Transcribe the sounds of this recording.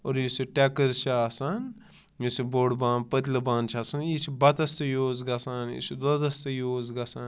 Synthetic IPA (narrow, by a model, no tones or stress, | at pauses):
oɾjisiʈɛkəɾzt͡ʃʰaːsan | josiboːɽbãːnpət̪̬ʲlɐbaːnt͡ʃʰasɐnjit͡ʃʰibɐt̪ɐst̪ɐjoːzɡɐsaːnjḭt͡ʃʰid̪od̪ɐst̪ɐjoːzɡɐsan